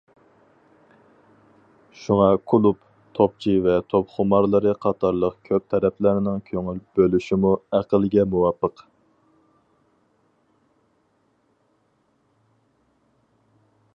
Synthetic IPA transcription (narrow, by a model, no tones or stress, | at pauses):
ʃuŋɑkʰulˠup | t̪ʰop̚t͡ʃʰivɛt̪ʰopχʊmɑɾlˠəɾɨqʰɑt̪ʰɑɾlˠəqkʲʰøp̚t̪ʰɛɾɛplæɾɪnɪŋkʲʰøŋylbølyʃimuæqəlˠɡʲɛmuwɑpːəq